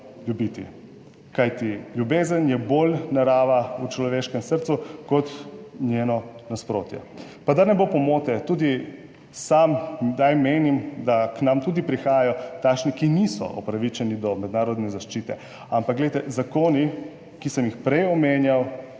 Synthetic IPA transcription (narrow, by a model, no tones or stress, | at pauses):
ljubit̪ḭ | kajt̪iljubeːzənjɛboːlnaɾaːʋaut͡ʃlɔʋeːʃkɛmsəɾt̪sukɔt̪njeːnɔnaspɾoːt̪jɛ̰pad̪aɾnɛbopɔmoːt̪ɛt̪uːd̪i | samd̪ajmeːnimd̪aknamt̪uːd̪ipɾixaːjjɔt̪aːkʃnikinisɔ̰ʔɔ̰pɾaʋit͡ʃɛnid̪ɔmɛd̪naːɾɔd̪nɛzaʃt͡ʃiːt̪ɛ̰ | ampakɡlɛjt̪ɛzakoːni | kisəmjixpɾɛjɔmeːnjaw